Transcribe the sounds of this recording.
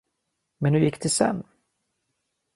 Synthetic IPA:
mɛnːɵjɪkːd̪ɛsɛ̰nː

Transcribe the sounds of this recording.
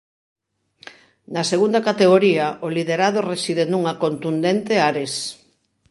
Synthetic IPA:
nɐseɣund̪ɐkat̪eɣoɾiɐʔoliðeɾaðoresiðenuŋɐkont̪und̪ent̪eaɾes

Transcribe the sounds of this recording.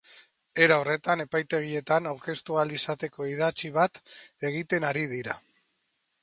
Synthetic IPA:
e̞ɾaore̞t̪ane̞pajt̪e̞ɣ̞ie̞t̪anawɾke̞st̪ualisat̪e̞ko̞iðat͡ʃiβ̞at̪e̞ɣ̞it̪e̞naɾið̞iɾa

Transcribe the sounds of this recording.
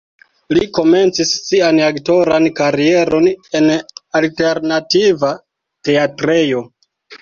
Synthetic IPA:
liko̞me̞nt͡sisːianakto̞ɾankaɾie̞ɾo̞ne̞nalte̞ɾnativa | te̞atɾejo̞

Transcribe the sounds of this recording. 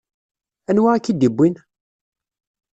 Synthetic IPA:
ænwaækːid̪ibːin

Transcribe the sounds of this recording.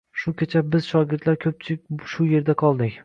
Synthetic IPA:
ʃʊkʲʰet͡ʃʰabɪz̥ʃɒɡʲɪɾt̪laɾkʲʰɵp̚t͡ʃʰɪkʲʃʊje̞ɾd̪aqʰɒlˠd̪ɪkʲ

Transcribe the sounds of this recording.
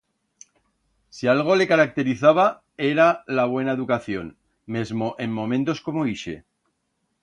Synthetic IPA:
sialɣ̞o̞le̞kaɾak̚t̪e̞ɾiθaβ̞a | e̞ɾalaβwe̞nae̞ðukaθjo̞n | me̞zmo̞ʔe̞mːõ̞mẽ̞nt̪o̞sko̞moiʃe̞̰

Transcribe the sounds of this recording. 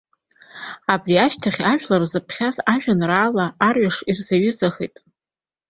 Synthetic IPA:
abriaʃtʰaχʲaʒᶣlarzɨpʰχʲazaʒᶣanraːlaːrɥaʂirzaɥʊzaχḭjtʼ

